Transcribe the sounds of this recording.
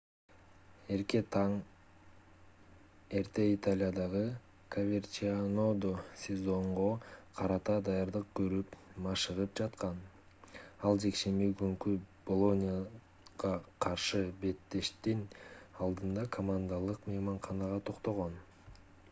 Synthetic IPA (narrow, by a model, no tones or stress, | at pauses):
e̞ɾke̞t̪ʰɑŋ | e̞ɾt̪e̞it̪alʲɪjad̪ɑʁɯ | kʰovʲert͡ʃiano̞d̪osʲezo̞ɴʁo̞qʰɑɾɑt̪ɑd̪ɑjɑɾd̪ɯq̚kø̞ɾypmɑʃɯʁɯp̚d͡ʒɑt̪qɑn | ɑlˠd͡ʒe̞kʃe̞miɡŋkyb̥olˠo̞nʲija | ʁɑqʰɑɾʃɯbe̞t̪ːe̞ʃt̪inɑlˠd̪ɯnd̪ɑkʰomand̪alˠɯqmejmɑɴχɑnɑʁɑt̪ʰo̞qt̪o̞ʁo̞n